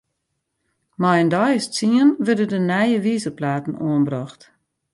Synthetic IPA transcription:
majəndɔjəst͡siənʋørdədənɛjəʋiːzəplaːtn̩oənbrɔxt

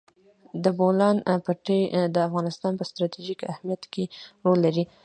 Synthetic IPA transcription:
d̪əbolɑnpaʈed̪əafɣɑnɪst̪ɑnpəst̪ɾɑt̪iʒikahmijat̪keɾolːaɾi

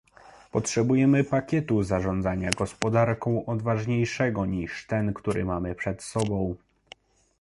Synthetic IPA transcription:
pɔtʂɛbujɛmɘpakʲɛt̪uzaʐɔnd̪zaɲaɡɔspɔd̪aɾkɔ̃w̃ʔɔd̪vaʐɲejʂɛɡɔɲiʂt̪ɛnkt̪uɾʔɘmamɘpʂɛt̪sɔbɔ̃w̃

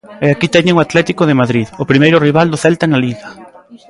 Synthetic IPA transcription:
eakit̪ɛɲɪŋʊat̪lɛt̪ikʊðɪmaðɾiðʊpɾimejɾʊriβ̞ald̪ʊθɛlt̪analiɣa

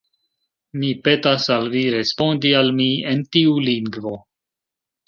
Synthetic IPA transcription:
mipe̞tasalviɾe̞spo̞ndialmientiuliŋɡvo̞

